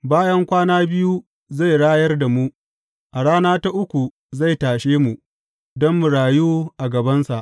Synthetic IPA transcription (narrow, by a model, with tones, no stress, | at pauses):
baː˦jɐ˦ŋkʷaː˦naː˦bɪ˦ju˦ | za˦˨jɽaː˦jɐ˦rda˨mu˦ | ʔa˨ɽaː˦naː˦ta˦ʔʊ˦kʷu˨ | za˦˨jtaː˨ʃeː˦mu˨ | dɔ˦mːu˨ɽaː˨juː˦ʔa˨ɡɐ˨bɐ˦nsa˨ʔ